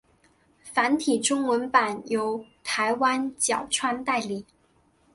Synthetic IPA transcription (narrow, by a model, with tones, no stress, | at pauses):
fa˧˥nt̪ʰi˨˩ʈ͡ʂʊ˥ŋwə˧˥npa˨˩njo˧˥ʊt̪ʰa˧˥ɪwa˥nt͡ɕjɑ˨˩ʊʈ͡ʂʰwa˥nt̪a˥˩ɪli˨˩˦